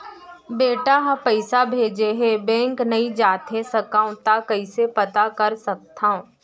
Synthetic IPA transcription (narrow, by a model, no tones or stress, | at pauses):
beːʈaɦɐ̃pɐɪsabʱeːd͡ʒeɦebɛ̃ːŋknɐɦĩd͡ʒaːt̪ɦesɐkãːũt̪akɐisepɐt̪akɐɾsɐk̚t̪ʰãõ